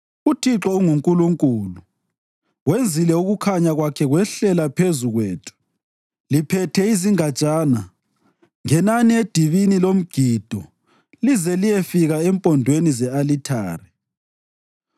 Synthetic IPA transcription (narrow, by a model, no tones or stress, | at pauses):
utʰiǁɔuŋuŋkʼuluŋkʼuːlu | wend͡zʱilɛuɣukʰaɲaɣwakʰɛɣwɛɬɛlapʰezuɣweːtʰu̥ | lipʰɛtʰɛiziŋat͡ʃʼaːna | ŋɛnanied̥ʱiβinilom̩ɡ̥ʱid̥ʱɔ | lizɛlijɛfiɣaɛmpʼɔndʱwenizɛalitʰa̰ːri